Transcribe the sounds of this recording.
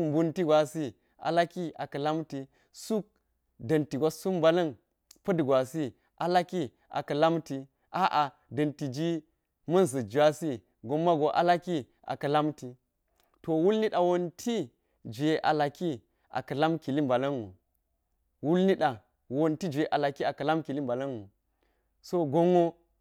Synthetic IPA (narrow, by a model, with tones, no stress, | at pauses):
m˨bu˦nti˦ɡʷa˨si˦ | a̰˨la˦ki˦a̰˨kɐ˨la˦mti˨ | su˦k̚ | dɐ˨nti˨ɡʷa˦su˦mba˨lɐ˦n | pɐ˦dɡʷa˨si˦ | ʔa˨la˦ki˦ | a̰˨kɐ˨la˦mti˨ | ʔa˦ʔa˨ | dɐ˨nti˨d͡ʒi˦ | mɐ˦nsɐ˨d͡ʒa˦si˦ | ɡo˦mːa˦ɡo˨ʔa̰˦la˦ki˦ | ʔa̰˨kɐ˨la˦mti˨ | to˨wu˦lni˦ɗa˨wo˦ntʰi˦ | d͡ʒe˨ʔa˨la˨ki˦ | ʔa̰˨kɐ˨la˦mki˨li˦mba˨lɐ˦nwṵ˨ | wu˦lni˦ɗa˨ | wo˦nti˦d͡ʒe˨ʔa˨la˨ki˦a˨kɐ˨la˦mki˨li˦mba˨lɐ˦nu˨ | so˦ɡo˦ŋo˦